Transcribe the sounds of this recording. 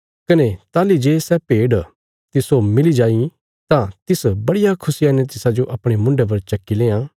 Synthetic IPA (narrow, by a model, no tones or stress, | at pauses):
kɐnet̪aːlid͡ʒeːsɛpeːɽ | t̪ɪsomɪlid͡ʒaːi | t̪ãt̪ɪsbɐɽɪjakʰʊsijanɛt̪ɪsad͡ʒoʔɐpɽ̃emʊ̃ɳɖep̬ɐɾt͡ʃɐkːilẽːãː